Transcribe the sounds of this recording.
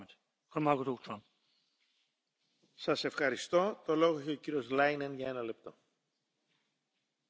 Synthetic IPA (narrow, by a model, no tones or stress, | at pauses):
t̪ | xoɾmaɡut̪ukt͡ʃon | sɐse̞fxɐɾist̪o̞t̪o̞lo̞ɣoeçeo̞ciɾio̞zlɐjnenʝɐe̞nɐle̞p̚t̪o̞